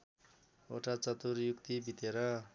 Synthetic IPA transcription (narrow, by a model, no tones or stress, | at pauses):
oʈat͡sʌt̪uɾjukt̪ibʱit̪eɾʌ